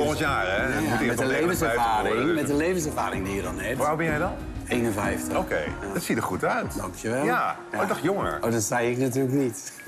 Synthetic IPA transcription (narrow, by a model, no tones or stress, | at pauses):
kɔəntjaːrɛiɛəlejvənsɛaːrɪŋmɛdəlejvəns̬ɛvaːɾɪŋdijədɔnɛʋabɛnjɛjdɔn | ejnənvɛjftəokḛjdɔtsitəχutœɥtdɑŋkʰjəʋɛljˠa | adɔxjoŋə̰ɹowdɔtsɛjɪknatyːləknit